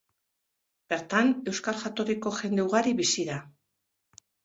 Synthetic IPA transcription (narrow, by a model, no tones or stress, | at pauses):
be̞ɾt̪ane̞wskalʝat̪o̞riko̞ʝe̞nd̪euɣaɾiβisiða